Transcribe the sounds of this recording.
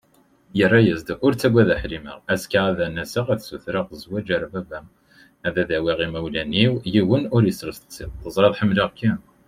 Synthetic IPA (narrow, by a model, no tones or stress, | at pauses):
jərˤːæjəzd̪ʊɾt͡sːæɡʷæðæħlimə̰ʁæskaæðænæsəʁæðsuθɾəʁzwæd͡ʒæɾabæbæ | æðæðæwiʁimæwlæniwjiwənʊɾjəsɾəst̪ə̥t͡sːiθəzˤɾˤɑðˤħəmːləʁkːæn